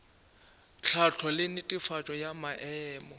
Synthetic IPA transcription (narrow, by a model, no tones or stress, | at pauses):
t͡ɬʰat͡ɬʰɔlɪnɪtʼɪfat͡ʃʼɔjamaʔɛːmɔ